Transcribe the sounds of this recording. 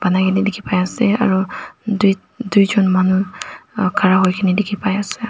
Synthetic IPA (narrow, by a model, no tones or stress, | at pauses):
b̥anakʰinidekʰipajasɛa̰ɹuduj | dujzɔnmanu | kʰaɹaɦojkʰinidekʰipajasɛ